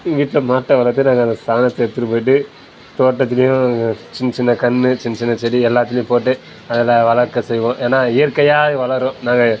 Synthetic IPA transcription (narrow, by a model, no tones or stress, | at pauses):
ʋiːʈːɪlɐmaːʈːɐʋɐlɐɾt̪ːɯnãːŋɡɐnd̪ɐst̪aːnɐt̪ːɯɛt̪ːɯɾɯpoːjɪʈ̬ːɯ | t̪oːʈːɐt̪ːɪlɐjʊ̃t͡ʃɪnːt͡ʃɪnːɐkɐnːɯt͡ʃɪnːɐt͡ʃɪnːɐt͡ʃɛɽiɛlːaːt̪̬ːɪlɐjʊ̃poːʈːɯ | ɐðɐlɐʋɐɭɐɾkːɐsɛjʋõːʔeːnaːɪjɐɾkːɐjaːðɯʋɐlɐɾõːnãːŋɡɐ